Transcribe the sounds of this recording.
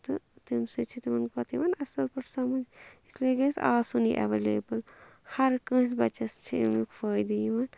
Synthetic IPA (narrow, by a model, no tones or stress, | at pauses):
t̪ɨt̪imsɨt͡ʃʰit̪imɐnkɐt̪ʰiʋɐːnɐsɐlpɐʈʰsɐmɐnisleɡɐːsaːsunḭʔɐ̰ʋeleːbɐl | hɐɾkə̃ːsbɐt͡ʃɐst͡ʃʰḭmjukfəːjd̪ijʋɐːn